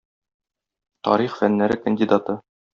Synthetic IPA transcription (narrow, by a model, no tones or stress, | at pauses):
t̪ɒ̰ɾiχfænːæɾɘkənʲdʲid̪at̪ɤ